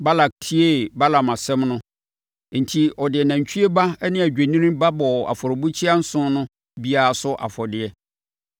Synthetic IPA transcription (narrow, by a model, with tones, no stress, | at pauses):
ba˦la˨k̚tʰi˦e˦˨ba˦la˨ma˨sɛ̃˦mnʊ̃˦ | n̩˨tʰi˦ɔ˨dɪ˨ɛ˨nã˨ɲ˨t͡ɕʰᶣy˦e˦ba˦nɪ̃˦˨æ˨d͡ʑᶣe˨nĩ˦nĩ˦ba˦bɔ˨a̰˨fɔ˨ɾɔ˨bu˦t͡ɕʰi˦a˦n̩˦sʊ̃˦nʊ̃˦ | bi˦a˨a˨sʊ˦ʔa̰˨fɔ˨dɪ˨ɛ˦